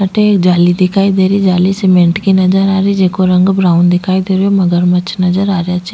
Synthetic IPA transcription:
əʈeːkd͡ʒaːliːd̪ɪkʰaːiːd̪eːɾiːd͡ʒaːliːsemẽɳʈkinəd͡ʒəɾaːɾiːd͡ʒeːkoɾəŋɡbɾaːʊnd̪ɪkʰaːid̪eːɾjoːməɡəɾmət͡ʃʰnəzəɾaːɾɪjaːt͡ʃ

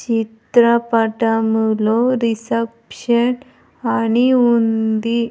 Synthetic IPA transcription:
t͡ɕit̪ɾapaʈamuloɾisepɕən | añiund̪i

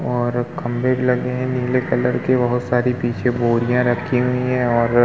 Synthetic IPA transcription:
ɔːɾkɐ̃mbebilɐɡeɦɛ̃niːlekɐləɾkebɐɦʊt̪saːɾipiːt͡ʃʰeboːɾijãɾɐkʰiɦʊiɦɛ̃ɔːɾ

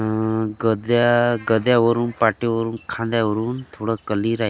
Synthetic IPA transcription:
ɡəd̪jaɡəd̪jaʋəɾuːnpaʈeʋəɾuːnkʰãnd̪jaʋəɾuːnt̪ʰoɽəkəliːɾaɦ

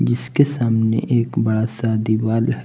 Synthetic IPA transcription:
d͡ʒɪskesaːmnḛʔeːkbɐɽasaːd̪ibaːlɦɛ

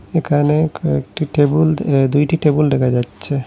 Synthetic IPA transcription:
ekʰaneḛkʈiʈebuld̪ujʈiʈebulɖekʰad͡ʑatːɕʰe

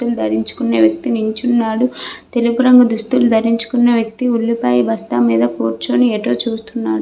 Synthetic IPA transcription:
ulud̪ʱɐɾiɲt͡ʃu̥kuneːʋjɐk̚t̪inuɲt͡ʃunːaːɽut̪e̞lipuɾɐŋɡɐd̪ust̪ulud̪ʱɐɾiɲt͡ʃu̥kunːeʋjɐk̚t̪iulːipɐːjibɐst̪amiːd̪ɐpuːɾt͡ʃoːnieːʈoːt͡ʃuːst̪unːaːɽu

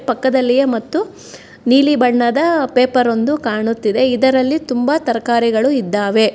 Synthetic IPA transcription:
pɐkːɐd̪ɐlːijemɐt̪ːu | niːlibɐɳːɐd̪ɐpeːpɐɾo̞nd̪ukaːɳut̪ːid̪e̞id̪ɐɾɐlːit̪umbɐt̪ɐɾɐkaːɾiɡɐɭuid̪ːaːʋe̞

